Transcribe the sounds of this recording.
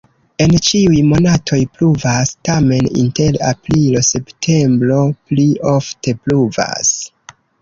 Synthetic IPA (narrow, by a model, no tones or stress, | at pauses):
e̞nt͡ʃiujmo̞natʰo̞jpluvastame̞nḭnte̞la̰pɾilo̞se̞ptʰe̞mbɾo̞pliofte̞pluva̰s